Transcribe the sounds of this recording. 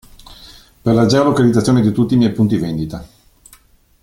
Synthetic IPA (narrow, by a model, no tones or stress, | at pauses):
perlad͡ʒɛɾalokalid̪zat̪ːjoːned̪it̪ut̪ːimjɛjpunt̪ivend̪it̪a